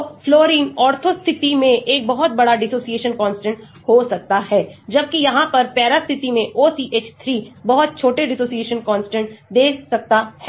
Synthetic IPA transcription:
floːɾiːnɔːɾt̪ʰost̪ʰɪt̪imẽʔeːk̚bɐɦʊt̪̚bɐɽaɖɪsoːsieːʃənkɔ̃ːnsʈə̃ɳʈ | hosɐk̚t̪aɦɛːd͡ʒɐb̚kijɐɦãpɐɾpɛːɾast̪ʰɪt̪imẽʔoːsiːʔeːt͡ʃt̪ʰɾiːbɐɦʊt̪̚t͡ʃʰoːʈeɖɪsoːsieːʃənkɔ̃ːnsʈə̃ɳʈd̪eːsɐk̚t̪aɦɛ

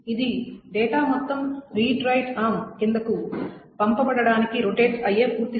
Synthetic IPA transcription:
id̪iɖɛːʈaːmɔt̪ːɐmɾiːʈɾɐjʈaːmkind̪ɐkupɐmpɐbɐɽɐɽaːnikiɾoʈeːd͡ʒɐjeːpuːɾt̪i

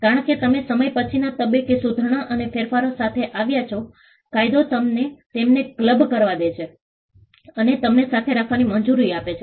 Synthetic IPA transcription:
kaɾəɳ̃ket̪əmesəməjpət͡ʃʰinat̪əbekesud̪ʱɳ̃aʔənefeɾfaɾosat̪ʰeʔaʋjat͡ʃʰo | kajd̪ot̪əmnet̪emnekləbkəɾʋad̪et͡ʃʰe | ənet̪əmnesat̪ʰeɾakʰʋanimənd͡ʒuɾiapet͡ʃʰe

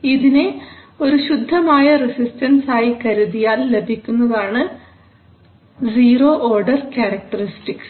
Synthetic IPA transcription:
iðine̞ | o̞ɾuɕud̪ʱːɐmaːjɐresistɐnsaːjikɐɾuðijaːlle̞bʱikʲːunːɐðaːɳɨ | d͡ʑiːro̞ːʔoːrɖɐrkʲjaːɾɐk̚ʈɐristiks

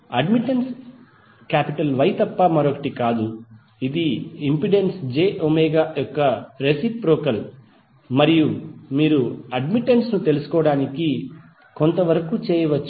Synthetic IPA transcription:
ɐɖmiʈens | kaːpiʈɐlʋɐjt̪ɐpːɐmɐɾokɐ̥ʈikaːd̪u | id̪iimpiɖensd͡ʒeːʔomeːɡaːjɔkːɐɾesippɾoɔːkɐl | mɐɾijumiːɾuɐɖmiʈːensnut̪e̞lusu̥kɔːɐɽaːniki | kont̪ɐʋɐɾɐkut͡ʃɛːjɐʋɐt͡ʃː

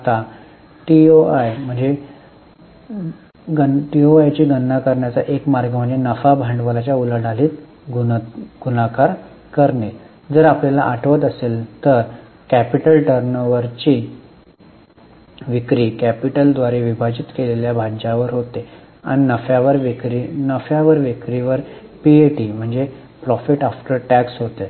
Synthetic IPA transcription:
t̪a | ʈioajm̤əɳd͡ze | ɡəʈioajt͡ɕiːɡənːakəɾɳjat͡saʔekmaɾɡəm̤əɳd͡zenəfabʱãɳɖʋəlat͡ɕjaulaɽaliːt̪ | ɡuɡ̥unakaɾ | kəɾɳe | d͡zəɾapljalaʔaʈʰʋət̪əselt̪əɾ | kæpiʈəlʈəɾnəʋəɾt͡ɕiː | ʋikɾiːkæpiʈəld̪ʋaɾeʋibʱad͡ʑit̪keleljabʱad͡ʑaʋəɾɦot̪e | a̰ɽ̃inəfjaʋəɾʋikɾinəfjaʋəɾʋikɾiʋəɾpieʈiːm̤əɳd͡ze | pɾɔfiʈafʈəɾʈæksɦot̪e

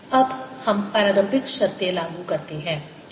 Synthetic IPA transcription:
ɐbhɐmpɐɾaːɡəmpɪt̪ʃɐɾt̪jelaːɡukɐɾt̪eɦɛ̃ː

